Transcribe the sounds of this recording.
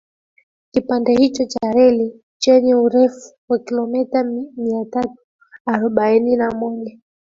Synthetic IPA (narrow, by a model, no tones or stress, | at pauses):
kipandɛhit͡ʃɔt͡ʃaɾɛli | t͡ʃɛɲɛuɾɛfu̥wakilɔmɛtamiatatu̥ | aɾɔɓaininamɔʄa